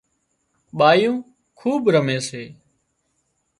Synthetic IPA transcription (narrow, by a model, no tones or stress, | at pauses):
ɓaːjũː | kʰuːɓɾəmẽːseː